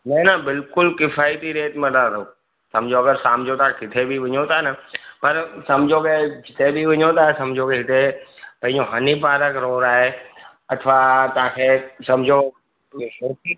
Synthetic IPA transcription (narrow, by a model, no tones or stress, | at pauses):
mɛ̃ːnabɪlkʊlkɪfaːit̪iɾeːt̪mẽɖãɾo | sɐmd͡ʑʱoɐɡəɾsaːmd͡ʑʱot̪ãkɪt̪ʰebʱiʋɪɲot̪anɐpɐɾsɐmd͡ʑʱoked͡ʒɪt̪ʰebʱiʋɐ̃ɲot̪asɐmd͡ʑʱokeɦɪt̪epɐ̃ɦɪ̃ɲd͡ʑoɦɐnipaːɾəkɾoːɾaːɦe | ɐt̪ʰʋat̪ɐãkʰeːsɐ̃md͡ʑʱo | ɦoːi